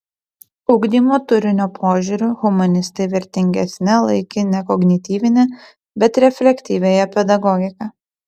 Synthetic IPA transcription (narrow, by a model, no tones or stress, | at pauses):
ʊʊɡd̪ʲiːmoːt̪ʊɾʲɪnʲopʰoːʒʲuɾʲʊɣʊmɐnʲɪst̪ɐɪʋʲɪɾʲt̪ʲɪŋʲɡʲɛsʲnʲɛlˠɐɪkʲɪnʲɛkɔɡnʲɪt̪ʲiːʋʲɪnʲɛ | bʲɛt̪ɾʲɛfʲlʲɛkʲt̪ʲiːʋʲeːjɛpʲɛd̪ɐɡɔɡʲɪkɐ